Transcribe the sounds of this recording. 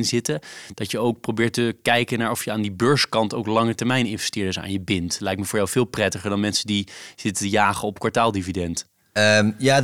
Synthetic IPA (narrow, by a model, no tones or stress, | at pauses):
nzɪtəd̥ɑtjəowk̚prowbɪːɹtəkɛjkənaːɹɔfjəaːndibøːɹskɑntowklɑŋətɛɹmɛjnɪnvɛstɪːɹdəsa̰ːnjəbɪntlɛjk̚tmɛvʊːɹjawvɪːlˠprɛtəχəɹdɑnmɛnsədiz̥ɪtəəjaːχəɔpkʋɑɹtaːlˠdividɛnt | jaː